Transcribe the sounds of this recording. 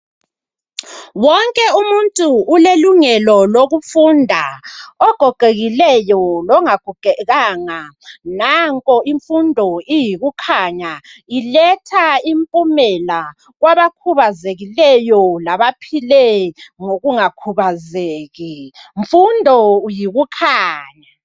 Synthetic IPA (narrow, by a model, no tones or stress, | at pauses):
wɔŋkʼɛumuntʼuːleluŋɛlɔloɣufundʱaɔɡ̥ʱɔɡ̥ʱeɣilɛjɔlɔŋaɡ̥ʱuɡ̥ʱɛɣaŋanaŋkʼɔiɱfundʱɔijiɣukʰaɲailɛtʰaimpʼumɛla | ɣwaβakʰuβazeɣilɛjɔlaβapʰilɛŋoɣuŋakʰuβazeːɣiɱfundʱɔjiɣukʰaːɲa